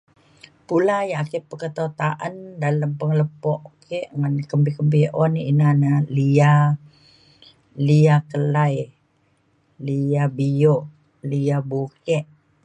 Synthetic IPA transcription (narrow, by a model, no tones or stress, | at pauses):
pulajaʔkepəkət̪ot̪aʔandaləmpəŋləpɔʔkeʔŋankəmbikəmbiʔɔniinanalia | liakəlaj | liabijoʔ | liabukɛʔ